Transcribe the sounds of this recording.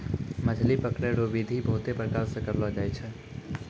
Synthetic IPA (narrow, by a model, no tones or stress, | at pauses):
məd͡ʒʱlipəkɳeɾoʋid̪ʱibəɦʊt̪epɾəkaɾsekəɾʋad͡ʒajt͡ʃʰe